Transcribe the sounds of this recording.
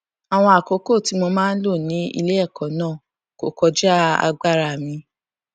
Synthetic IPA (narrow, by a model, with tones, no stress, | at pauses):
a˨w̃ɔ̃˧a˨ko˨ko˦˨ti˨˦mo˧mãː˦n̩˦lo˦˨nĩ˨˦ḭ˧le˦ɛ˦˨kɔ̃˨˦nãː˦˨ | ko̰˨kɔ˧d͡ʒa˦a̰˧ɡ͡ba˦ɾa˧˨mĩ˧